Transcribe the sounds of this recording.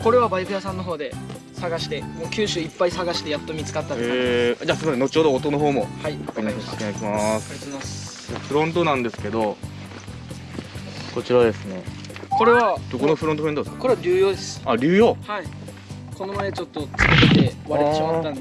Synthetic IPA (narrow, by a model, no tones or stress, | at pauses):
ko̞ɾe̞β̞abaikɯjasãnːo̞ɦo̞ːd̪e̞ | saɡaɕi̥t̪e̞moːkʲɨːɕɨːipːaisaɡaɕi̥t̪ejat̪ːo̞mʲit͡sɨ̥kat̪ːaɾed͡ʑasenot͡ɕo̞ːd̪oːt̪ːo̞noɦo̞ːmo̞haikiɲai̥t̪eɲakʲimasekmas | ɸɯ̟ɾõ̞nt̪̬o̞nãnd̪e̞sɨ̥ke̞d̪o̞ | ko̞t͡ɕiɾad̪e̞sɨne̞ | ko̞ɾe̞βad̪̥o̞ko̞noɸɯɾont̪oɯɾonod̪eskko̞ɾe̞βaɾʲɨːjo̞ːd̪esɨ̥aɾʲɨːjo̞ːhai | ko̞no̞maet͡ɕo̞t̪ːo̞t͡sɨ̥kɯit̪e̞βaɾeɕimat̪ːãnd̪